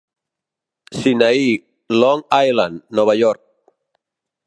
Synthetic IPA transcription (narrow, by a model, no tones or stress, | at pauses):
sinai | lɔŋajlanːoβaʎɔɾk̚